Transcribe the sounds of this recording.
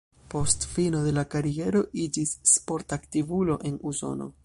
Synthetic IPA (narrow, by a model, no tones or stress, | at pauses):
po̞stfino̞d̪e̞lakaɾie̞ɾo̞ʔid͡ʒisːpo̞ɾtaktivulo̞ʔe̞nuzo̞̰no̰